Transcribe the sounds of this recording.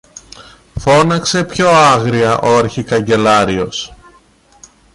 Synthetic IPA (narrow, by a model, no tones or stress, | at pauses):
fo̞nɐkse̞pço̞ɐɣɾiɐʔo̞ɐɾçikɐɲɟe̞lɐɾio̞s